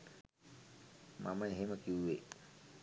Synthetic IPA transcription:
mʔa̰məeɦeməkiuʋe

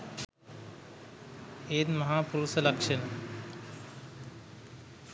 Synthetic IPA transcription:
eːnmɐɦaːpuɾusɐlɐkʂɐnɐ

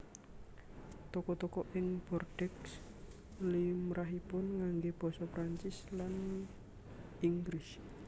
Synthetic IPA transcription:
t̪ɔkɔt̪ɔkɔʔɪŋb̥ɔrɖ̥ɛks | limɾʔaɦipʊnŋaŋɡeb̥ɔ̤sɔpɾaɲt͡ʃɪslan | iŋɡɾɪs

